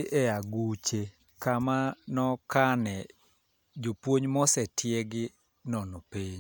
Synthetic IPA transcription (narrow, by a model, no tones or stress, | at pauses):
ʔɛaɡut͡ʃe | kamanɔkanɛ | d͡ʒopwoɲmɔsɛtʰjeɡɪ | nɔnopeɲ